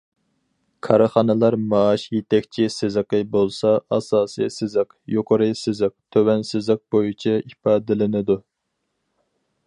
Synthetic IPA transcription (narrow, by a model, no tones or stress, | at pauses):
kʰɑɾɨχɑnɨlˠɑɾmɑːʃjet̪ʰɛkʲt͡ʃʰisɪzɨqɨbolˠsɑɑsɑːsijsɪzɨq | joqʰəɾɨsɪzɨq̚t̪ʰøwɛnsɪzlɨq̚bojit͡ʃʰɛipɑːd̪ɪlɪnɨd̪u